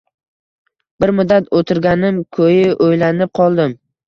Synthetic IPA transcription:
b̥ɪɾmʊd̪ːat̪ʰot̪ʰɪɾɡʲanɪmkʰɵjɪʔojlanɪp̚qʰɒlˠd̪ɪm

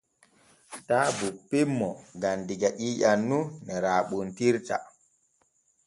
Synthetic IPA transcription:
taːbupːemːɔɡandiɡaʔiːjanːunɛɾaːɓuntiɾta̰

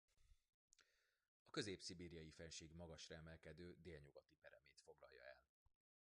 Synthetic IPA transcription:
ɒkø̞zeːpsibeːɾijɒjifɛnʃeːɡmɒɡɒʃrɒɛmɛlkɛd̪øːd̪eːlɲuɡɒt̪ipɛɾɛmeːt̪fo̞ɡlɒ̰jːɒ̰ɛl

